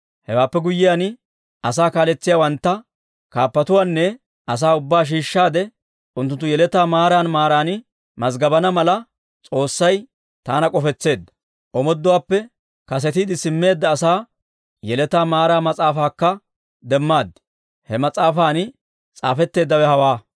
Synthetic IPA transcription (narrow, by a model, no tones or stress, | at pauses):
hɛwaːpːɛɡʊjːɪjaːn | ɐsaːkaːlɛt͡sːɪjaːwɐnt̪ːɐ | kaːpːɐt̪ʊwaːnːɛ | ʔɐs̬aːʊbːaːʃ̬iːʃːaːd̪ɛ | ʔʊnt̪ːʊnt̪ːʊjɛlɛt̪aːmaːɾaːnmaːɾaːnɪ | mɐzɡɐbɐnɐmɐlɐ | t͡sʼo̞ːsːɐj | t̪aːnɐkʼɔfɛt͡sːe̞ːd̪ːɐ̥ | ʔɔmɔd̪ːʊwaːpːɛ | kɐs̬ɛt̪iːd̪ɪsɪmːe̞ːd̪ːɐːsaː | jɛlɛt̪aːmaːɾaːmɐt͡sʼaːfaːkːɐ | d̪ɛmːaːd̪ɪ | hɛmɐt͡sʼaːfaːn | t͡sʼa̰ːfɛt̪ːe̞ːd̪ːɐwɛhɐwaː